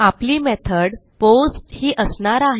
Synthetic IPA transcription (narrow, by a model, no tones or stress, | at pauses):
apliːmɛt̪ʰəɽposʈhiːʔəsɳaɾaɦ